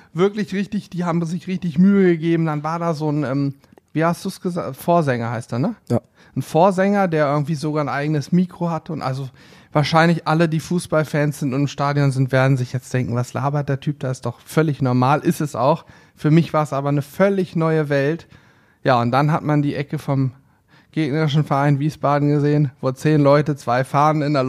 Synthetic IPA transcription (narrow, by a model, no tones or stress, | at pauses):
v̥ɪɐklɪçʁɪçtɪçd̥iːhaːbm̩zɪçʁɪçtɪçmyːəɡəɡeːbm̩danvaːɐdaːzoːnʔɛːm | viːhastd̥uːsɡ̥əza̰ːfoːɐzɛŋɐhaɪstd̥uːnə | n̩foːɐzɛŋɐdeːɐʔɪɐɡŋ̩tv̥iːzoɡaːɐnʔaɪɡənəsmiːkʁ̥ohatəʊntʔa̰lzo | vaːɐʃaɪnlɪçʔalədiːfuːsb̥alfɛːnsz̥ɪntʊntɪmʃtaːdjɔnzɪntv̥eːɐdn̩zɪçjɛt͡std̥ɛŋkŋ̩vasla̰ːbɐt̚d̥eːɐtʰyːp̚d̥aːɪstd̥ɔχfœlɪçnɔɐmaːlʔɪstɛsʔa̰ʊx | fyːɐmɪçv̥aːɐɛsʔaːbɐnəfœlɪçnɔʏəvɛlt | jaːʊntd̥anɦatmandiːʔɛkəfɔm | ɡ̥eːɡnɐʁɪʃ̬n̩fɛɐʔaɪnviːsb̥aːdn̩ɡəzeːənvoːt͡seːnlɔʏtət͡sv̥aɪfaːʁn̩ɪnɛɐl